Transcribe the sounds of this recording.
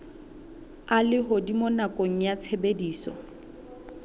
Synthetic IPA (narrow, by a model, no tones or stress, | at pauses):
alɪɦʊdimonakʼoŋ̩jat͡sʰebediːsɔ̰